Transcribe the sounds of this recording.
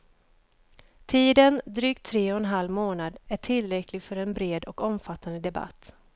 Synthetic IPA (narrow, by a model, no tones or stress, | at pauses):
t̪ʰiːd̪ənd̪ɾyːk̚t̪ʰɾeːɔɛnɦalːmoːnad̪æʈʰɪlːɾɛkʰlɪɡfœɾɛnbɾeːd̪ɔkɔmfat̪ːand̪əd̪ɛba̰t̪ː